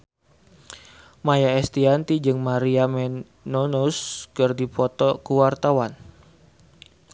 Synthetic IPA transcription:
majaɛst̪iant̪id͡ʒɨŋmaɾiamɛ | nonuskərdipɔt̪ɔkuwart̪awan

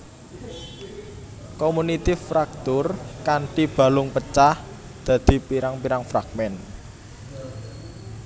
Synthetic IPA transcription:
komunit̪ifɾak̚t̪ʊrkaɳʈib̥a̤lʊŋpət͡ʃah | d̪̥ä̤d̪̥i̤piɾaŋpiɾaŋfɾaɡ̥̚mɛn

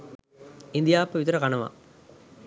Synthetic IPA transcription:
ɪnd̪ɪjaːpːɐʋɪt̪ɐɾɐkɐnɐʋã̰

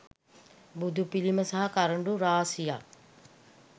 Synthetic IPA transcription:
bud̪upiliməsaɦɐkaɾəɳɖuɾaːsija̰

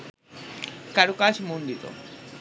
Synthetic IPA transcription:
kaɾukaʃmund̪it̪o̰

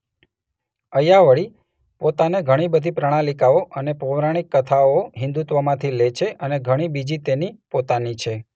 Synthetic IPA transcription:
əjaʋəɭi | pot̪aneɡʱəɽ̃ibəd̪ʱipɾəɽ̃alikaoʔənepoʋɾaɽ̃ikːət̪ʰaoɦɪ̃nd̪ut̪ʋəmãt̪ʰilet͡ʃʰeʔəneɡʱəɽ̃ibid͡ʒit̪enipot̪anit͡ʃʰe

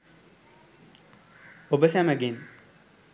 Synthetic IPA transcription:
obəsæməɡen

